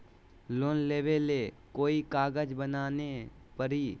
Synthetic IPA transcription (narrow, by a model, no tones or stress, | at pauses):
loːnleːʋele | koːikaːɡəd͡ʒbənaːne | pəɾiː